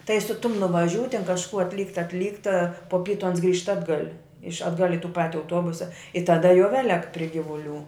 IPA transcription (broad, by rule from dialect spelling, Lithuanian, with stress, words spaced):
tɐɪ sʊ tʊm nʊʋɐˈʒʲuː tʲɛn kɐʃˈkuː ɐtʲˈlʲiːkt ɐtʲˈlʲiːkt ɐ poː ˈpʲiːtʊ ɐns ɡrʲiːʃt ˈɑːdɡɐlʲ ɪʃ ɐdˈɡɐlʲ ɪ tuː ˈpɑːtʲɪ ɐʊˈtuɔbʊsɐ ɪ tɐˈdɐ jɛʊ ˈʋʲæːlʲɛk pʲrʲɪ ˈɡʲɪʋʊˌlʲuː